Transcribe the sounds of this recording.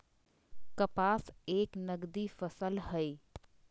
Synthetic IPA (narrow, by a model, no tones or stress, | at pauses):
kəpaːseːknəɡd̪ifəsəlhəi